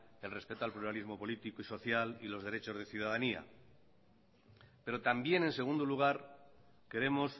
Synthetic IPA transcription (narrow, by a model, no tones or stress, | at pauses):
e̞lre̞spe̞t̪oalpluɾalizmo̞po̞lit̪ikoiso̞θjalilo̞zðe̞ɾe̞t͡ʃo̞zðe̞θjuð̞aðania̰ | pe̞ɾo̞t̪ambje̞ne̞nse̞ɣund̪uluɣ̞aɾ | ke̞ɾe̞mo̞s